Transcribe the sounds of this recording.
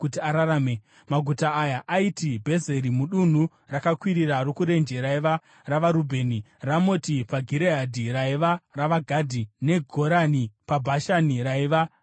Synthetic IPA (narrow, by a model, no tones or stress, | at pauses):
kutiaɾaɾaːme | maɡʱutaajaʔaitibʱe̞ze̞ɾimuɗun̤u | rakakwiɾiɾarokuɾe̞nd͡ʒe̞ɾaiʋa | raʋaɾubʱe̞ːni | ramo̞tipaɡʱiɾeɦadʱiraiʋaraʋaɡʱadʱine̞ɡʱo̞ɾanipabʱaʃaniɾaiʋa